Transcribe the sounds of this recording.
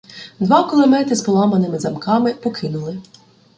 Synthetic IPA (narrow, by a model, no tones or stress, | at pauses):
d̪ʋɑkɔlˠɔmɛt̪ɪspɔlˠɑmɐnɪmɪzɐmkɑmɪpɔkʰɪnʊlˠɪ